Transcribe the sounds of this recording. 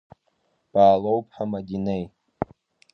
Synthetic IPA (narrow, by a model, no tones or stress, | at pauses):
b̥aːlowpʰʼħamadinej